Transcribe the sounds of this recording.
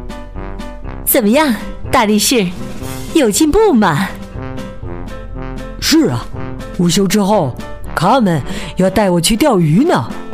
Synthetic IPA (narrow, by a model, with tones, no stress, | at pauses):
t͡sə˨˩nmə˦jɑ˥˧ŋt̪a˥˧li˥˩ʂɻ̩˥˧ | jo˨˩ʊt͡ɕi˥˧ŋpu˥˩mɐ˨˩ | ʂɻ̩˥˩ɐ̰˩ | u˨˩ɕ̬jo˧˥ʊʈ͡ʂɻ̩˥xo˥˩ʊ | kʰa˥mə˨˦njɑ˥˧ʊt̪a˥˩ɪwɔ˨˩t͡ɕʰy˥˧t̪jɑ˥˩ʊy˧˥nə˨